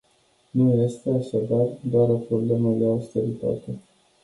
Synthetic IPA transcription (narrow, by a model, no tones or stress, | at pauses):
nujest̪eaʃad̪ard̪oaɾo̞pɾo̞ble̞məd̪e̞aust̪e̞ɾit̪a̰t̪e̞